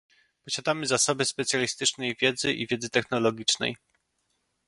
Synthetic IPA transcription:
pɔɕad̪amɘzasɔbɘspɛt̪sʲjalʲist̪ɘt͡ʂnɛjvʲjɛd̪zɘʔivʲjɛd̪zɘt̪ɛxnɔlɔɡʲit͡ʂnɛ̰j

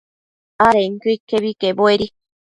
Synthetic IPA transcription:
aɾeŋkɨkːeβikeboeɾi

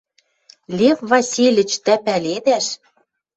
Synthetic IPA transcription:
lʲefvɑsʲilʲɘ̆t͡ɕt̪æpælʲed̪æʃ

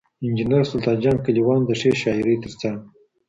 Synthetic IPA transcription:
ɪnd͡ʒinəɾsʊlt̪ɑnd͡ʒɑnkaliwɑnd̪əʂeʃɑɪɾət̪əɾt͡sãŋɡ

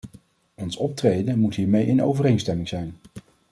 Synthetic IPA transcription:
ɔnsɔp̚trejdənmutɦiːɹmejʔɪno̰wvərejnstɛmɪŋz̥ɛjn

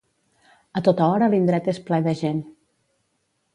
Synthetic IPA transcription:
ət̪ot̪əɔɾəlind̪ɾɛt̪esplɛðəʒen

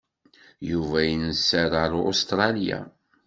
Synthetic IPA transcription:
juvæjənəsːæɾəɾost̪ɾˤɑlja̰

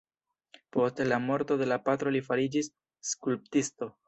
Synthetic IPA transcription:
po̞stlamo̞ɾto̞de̞lapat̪ɾo̞lifaɾid͡ʒisː | kulp̚tisto̞

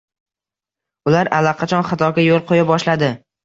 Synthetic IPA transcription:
ʊlaɾalːaqʰɑt͡ʃʰɒnχɑt̪ʰɒɡʲajolˠqʰojabɒʃlad̪ɪ

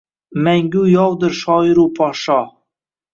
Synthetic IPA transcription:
mæŋɡʲujɒwd̪ɪɾʃɒɪɾupʰɒʃɒ

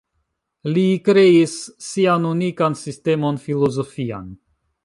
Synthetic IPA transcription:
likɾe̞isːianunikansiste̞mo̞nfilo̞zo̞fia̰n

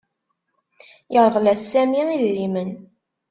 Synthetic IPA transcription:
jəɾˤðˤlæsːæmiiðɾimən

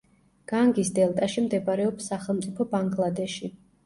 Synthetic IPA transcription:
ɡ̥aŋɡisd̪ɛlˠt̪ʼaʃimd̪ɛbaɾɛɔpsːaχɛlˠmt̪sʼipʰɔbaŋɡlˠad̪ɛʃi

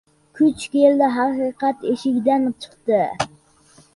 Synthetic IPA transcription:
kʲʰyt͡ʃkʲeld̪ɛɦɑqiqɑt̪eʃiɡʲd̪ɛnt͡ʃʰə̥χt̪ɨ

